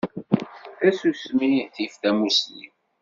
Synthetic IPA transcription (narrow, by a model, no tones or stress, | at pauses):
θæsusmiθifθæmuslḭm